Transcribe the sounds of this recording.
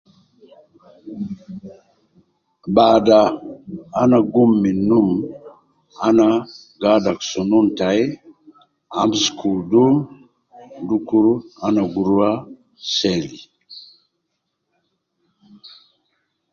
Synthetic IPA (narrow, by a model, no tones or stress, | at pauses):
bada | anaɡumːinum | ana | ɡadaksununtaj | amskʰuldu | dukuɾanaɡuɾuwa | sɛli